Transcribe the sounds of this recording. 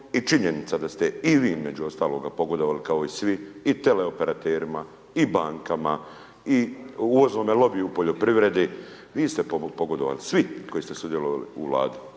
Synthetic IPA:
it͡ʃiɲe̞nit̪sad̪ast̪e̞iʋiːizme̞d͡ʑuo̞st̪aːlo̞ːɡapo̞ɡo̞d̪oʋalikao̞isʋiːt̪e̞le̞ope̞ɾat̪eːɾima | ibaːŋkama | iuʋo̞znomelo̞biupo̞ʎo̞pɾiʋɾe̞d̪i | ʋiːst̪epopo̞ɡo̞d̪oʋa̰lisʋiko̞jiːst̪esud̪je̞loʋalḭuʋla̰ːd̪u̥

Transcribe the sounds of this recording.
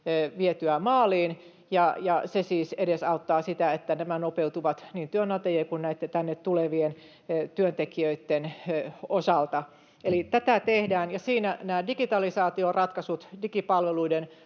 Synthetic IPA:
ʋiet̪yæmɑːliːn | jɑjɑsesiːsedesɑut̪ːɑːsit̪æet̪ːænæmænopeut̪uʋɑt̪niːnt̪yønːɑt̪ejeːkunnæit̪ːet̪ænːet̪t̪uleʋien | t̪yønt̪ekiøit̪ːenosɑlt̪ɑ | elit̪æt̪æt̪ehdæːnjɑsiːnænæːdikit̪ɑlisɑːt̪iorɑt̪kɑsut̪dikipɑlʋeluiden

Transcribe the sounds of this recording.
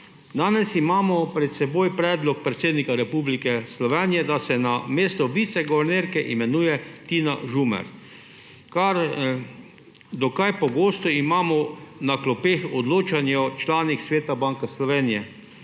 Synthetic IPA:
d̪aːnɛsimaːmɔpɾɛt̪sɛboːjpɾɛːd̪lɔk̚pɾɛt̪seːd̪nikaɾɛpublikɛslɔʋɛnijɛd̪asɛnameːst̪ɔbit̪sɛɡɔʋɛɾneɾkɛʔimɛnuːjɛt̪ina̰ʒumɛ̰ɾ | kaɾ | d̪ɔkajpɔɡoːst̪ɔimaːmɔnaklɔpeːxɔd̪loːt͡ʃanjɔt͡ʃlaːniksʋeːt̪abaŋkaslɔʋeːnijɛ

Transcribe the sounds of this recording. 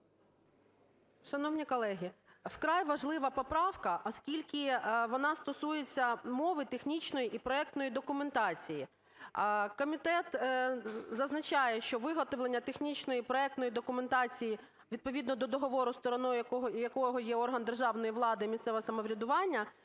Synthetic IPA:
ʃɐnɔwnʲikɔlˠɛɦʲiwkɾɑjʋɐʒlˠɪʋɐpɔpɾɑwkɐʔɔskʲilʲkʲɪʋɔnɑst̪ɔsujet͡sʲːɐmɔʋɪt̪exnʲit͡ʃnɔjiʔipɾɔɛk̚t̪nɔjid̪ɔkʊment̪ɑt͡sʲiji | kɔmʲit̪ɛt̪ | zɐznɐt͡ʃɑjɛʃt͡ʃɔʋɪɦɔt̪ɔʋlˠenʲːɐt̪exnʲit͡ʃnɔjipɾɔɛk̚t̪nɔjid̪ɔkʊme̞nt̪ɑt͡sʲiji | ʋʲid̪̚pɔʋʲid̪nɔd̪ɔd̪ɔɦɔʋɔɾʊst̪ɔɾɔnɔɔjɐkɔɦɔjɛɔrɦɐnd̪erʒɑʋnɔjiʋlˠɑd̪ɪimʲist̪sɛʋɐsɐmɔʋɾʲɐd̪ʊʋɑnʲːɐ

